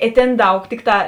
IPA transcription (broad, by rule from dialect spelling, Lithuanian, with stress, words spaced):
ɪ ˈtʲeːn ˈdɐʊk ˈtʲɪkˌtɑː